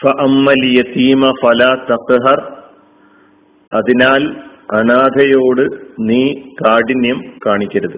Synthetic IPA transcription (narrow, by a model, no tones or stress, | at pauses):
fɐʔɐmːɐljɐt̪iːmɐfɐlaːt̪ɐqɦɐr | ɐðinaːl | ɐnaːd̪ʱɐjo̞ːɽɨniːkaːɽinjɐmkaːɳikʲːɐɾɐðɨ